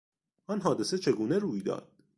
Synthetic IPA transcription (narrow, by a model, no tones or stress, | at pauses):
ʔɒːnɦɒːd̪e̞set͡ʃʰe̞ɡuːne̞ɾuːjd̪ɒ̰ːd̪̥̚